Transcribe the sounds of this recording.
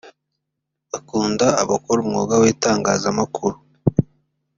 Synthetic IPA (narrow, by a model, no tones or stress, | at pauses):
βakuːndaaβakoɾumŋo̰ːɡawiːtaːŋɡaːzamakʰuɾu